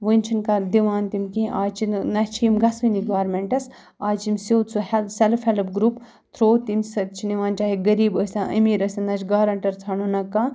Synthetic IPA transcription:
ʋɨnʲt͡ʃʰinkad̪iʋaːnt̪imkĩʔaːt͡ʃʰinɐt͡ʃʰimɡɐsʋiniɡaːɾmeɳʈɐs | aːt͡ʃimsowt̪t͡suhɛsɛlfhɐlpɡɾuːp | t̪ʰɾoːt̪imsɐt̪t͡ʃʰiniʋaːnt͡ʃaːɦiɡɐɾiːbəːsʲɐ̃ʔɐ̰miːɾɐsʲɐnɐt͡ʃʰɡaːɾɐɳʈɐɾt͡sʰɐɳunɐkaː

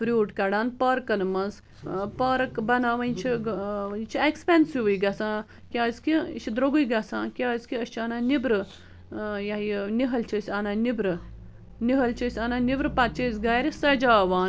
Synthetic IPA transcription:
fɾʲuːʈkɐɽaːnpɐɾkɐnmɐnz | pɐɾkbɐnaːʋɐnʲt͡ʃʰint͡ʃʰiekspensiʋɨjɡɐsãː | kʲaːsʲkit͡ʃʰid̪ɾoɡujɡɐsã̰ːkʲaːsʲkiɐst͡ʃʰɐnaːnibɾɨ | jajniɦɐlt͡ʃʰɐsʲɐnaːnibɾɨ | niɦɐlt͡ʃʰisʲɐnanibɾɨpɐt̪t͡ʃɐzɡajɾisɐd͡ʒaːʋaːn

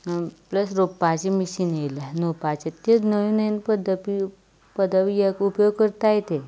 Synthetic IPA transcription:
pləsɾopːat͡ɕimisinjelanopat͡ɕet̪enəʋinəinpəd̪əpi | pəd̪əʋijekupjoɡ̚kəɾt̪ajet̪e

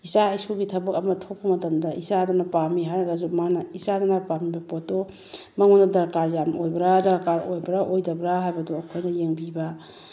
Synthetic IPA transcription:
isaɐjsoɡitʰɐbɐkɐmɐtʰok̚pɐmɐtɐmdɐisadɐnɐpamiɦajɾɐɡazumanɐisadanɐpamibɐpotːo | mɐŋondɐdɐɾkaɾjamojbɐɾadɐɾkaɾojbɐɾaʔojdɐbɾaɦajbɐdɔɐkʰojnɐjeŋbiba

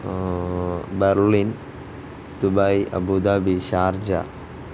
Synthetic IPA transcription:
beɾlin | t̪ubajiɐ̰bud̪abiɕaːɾd͡ʑa̰

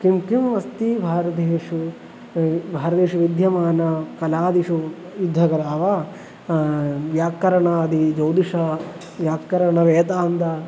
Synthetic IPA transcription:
kimkimʋɐst̪ibʱaːɾɐd̪eːʂu | bʱaːɾɐd̪eːʂuʋid̪ʱjɐmaːnɐkɐlaːd̪iʂu | jud̪ʱːɐkɐɾɐɐʋa | ʋjaːkːɐɾɐɳɐːd̪id͡ʒɐwd̪iʂɐ | jaːkːɐɾɐɳɐʋeːt̪aːnd̪ɐ

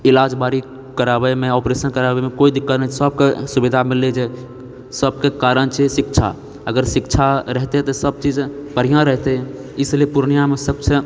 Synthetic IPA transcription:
ilad͡ʒbaɾi | kəɾabəmeopɾesənkəɾabemekoid̪ikːət̪nɛsəb̚kesubid̪ʱamilːed͡ʒe | səb̚kekaɾənt͡ʃʰɛsikt͡ʃʰa̰ | əɡəɾsikt͡ʃʰaɾəɦt̪et̪ɔsəb̚t͡ʃid͡ʒpəɾijãɾəɦt̪ɛ | islepuɾnijamesəbse

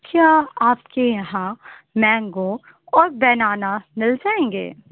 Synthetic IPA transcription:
kʰjaːaːpkejɐɦãmɛ̃ːŋɡo | ɔːɾbɛːnaːnamɪld͡ʒaːẽːŋɡḛː

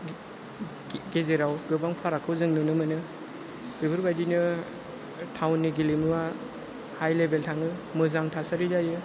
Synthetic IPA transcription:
ɡezeɾawɡɯbaŋpʰaɾakʰɯwzɯŋnɯnɯmɯnɯ | bibɯɾbajdinɯ | tʰawnːiɡilimuwa | hajlebʱeltʰaŋɯmɯzaŋtʰasaɾizajɯ

